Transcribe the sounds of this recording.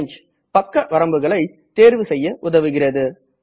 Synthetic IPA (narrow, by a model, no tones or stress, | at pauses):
ɲd͡ʒ | pɐkːɐʋɐɾɐmbɯɣɐɭɐɪ | t̪eːɾʋɯsɛjːɐʔʊðɐʋɯɣɪrɐðɯ